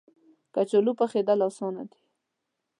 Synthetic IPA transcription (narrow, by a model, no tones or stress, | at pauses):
kat͡ʃolupaxed̪alawsɑna̰d̪i̥